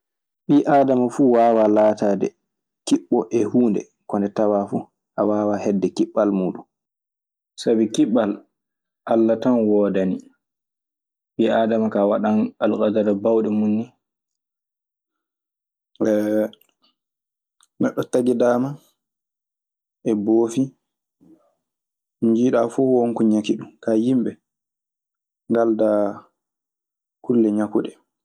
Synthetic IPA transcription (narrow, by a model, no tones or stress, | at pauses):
ɓiːʔaːdamafuwaːwalaːtaːdɛ̰ | kiɓːɔʔɛhuːndɛ̰ | kɔndɛtawafu | ʔawaːwahɛdːɛkiɓːalmuːɗun | sabikiɓal | ʔalːatanwɔːdani | ɓiʔadamakawaɗanalkadaɾɔbawɗɛmunːi | ɛ | nɛɗːɔtaɡidaːma | ʔɛboːfi | ɲd͡ʒiːɗafuwoŋkuɲakiɗumkajimbɛ | ŋɡalda | kulːɛɲakuɗɛ